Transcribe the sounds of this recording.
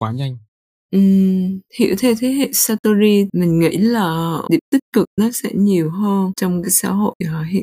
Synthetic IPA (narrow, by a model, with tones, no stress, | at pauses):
kwaː˨˦ɲa˧jŋ | ʔɨ˨˩mhḭ˧˨wt̪ʰe˨˦t̪ʰe˨˦ɦḛ˧˨saː˧t̪o˧zi˧mï˨˩ŋ̟ŋḭ˧˥laː˨˩ɗḭ˨˧˩əp̚t̪ï˦˥t̚kɨ˨˩k̚nɔ˨˦sɛ̰˧˥ɲi˨˩əwɦəː˧nt͡ɕɔ˧wŋ͡mkaː˨˦jsa̰ː˧˥ɦo̰˧˨jaː˨˩ɦḭ˧˨